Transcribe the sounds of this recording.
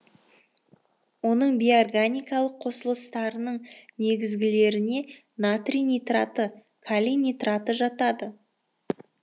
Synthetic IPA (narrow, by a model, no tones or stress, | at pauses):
wo̞nəɴbiorɡanʲijkɑlˠəqʰo̞səlˠəst̪ɑɾənəɴne̞ɡʲɪzɡʲɪle̞ɾɪne̞ | nat̪rinijt̪rat̪ə | kʰalʲinijt̪rat̪əʒɑt̪ɑd̪ə